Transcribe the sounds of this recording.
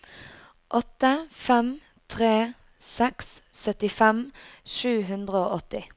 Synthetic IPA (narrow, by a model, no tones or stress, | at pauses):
ʔɔt̪əfɛm | t̪ʰʁeː | sɛksːœt̪ɪfɛmʃʉːɦʉnd̪ʁəoːʔɔt̪ɪ